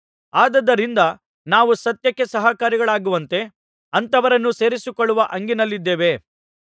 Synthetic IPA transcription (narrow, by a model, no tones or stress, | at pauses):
aːd̪ɐd̪ɐɾind̪ɐ | naːʋusɐt̪jɐkːesɐɦɐkaːɾiɡɐɭaːɡuʋɐnt̪e̞ | ɐnt̪ɐʋɐɾɐnːuse̞ːɾisikoɭːuʋɐʔɐŋɡinɐlːid̪ːeːʋe̞